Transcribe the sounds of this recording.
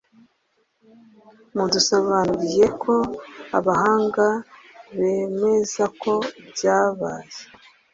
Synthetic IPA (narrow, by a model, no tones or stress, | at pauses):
mudusoβanuɾije̞kʰo̞aβaɦaːŋɡaβe̞me̞zakʰo̞bɟaːβa̰ːje